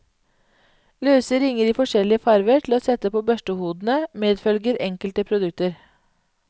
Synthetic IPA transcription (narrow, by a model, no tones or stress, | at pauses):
løːsəɾɪŋəɾiːfɔʂɛlɪəfɑɾʋəʈʰl̩oːsɛt̪əpoːbœʃʈəhuːd̪n̩əmeːd̪fœlɡəɾɛŋkəlt̪əpʰɾʊd̪ʉk̚t̪əɾ